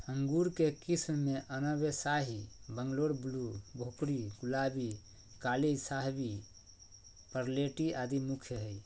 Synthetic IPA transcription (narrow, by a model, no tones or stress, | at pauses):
ə̃ŋɡuɾkekismːeʔənəbesaːɦibə̃ŋɡloɽblubʱokɽiɡulaːbi | kaːlisaɦbi | pəɾleʈiaːd̪imukʰjəɦəi